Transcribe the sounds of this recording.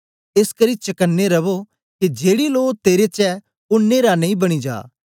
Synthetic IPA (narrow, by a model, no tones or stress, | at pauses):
ɪskɐɾit͡ʃɐkənːeɾɐʋo | kid͡ʒeːɽiloːt̪eːɾet͡ʃɛ | ʊnːeːɾanɐ̃ĩbɐɽ̃id͡ʒa̰ː